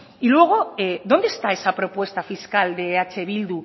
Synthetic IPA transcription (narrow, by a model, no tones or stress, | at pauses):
ilwe̞ɣ̞o̞eðo̞nd̪est̪aesapɾo̞pwe̞st̪afiskald̪eat͡ʃe̞β̞ild̪u